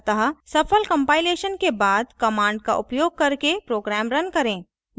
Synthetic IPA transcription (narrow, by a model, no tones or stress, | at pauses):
t̪ɐɦsɐfəlkɐ̃mpaːɪleːʃənkebaːd̪kɐmãːɳɖ̚ka̰ʔʊpjoːɡ̚kɐɾkepɾoːɡɾɛːmɾɐnkɐɾẽː